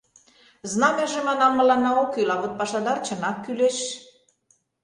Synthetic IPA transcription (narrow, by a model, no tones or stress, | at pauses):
znɑmeʒemɑnɑmːə̆lɑnːɑokylɑβot̪̚pɑʃɑd̪ɑrt͡ɕə̆nɑkːyleʃ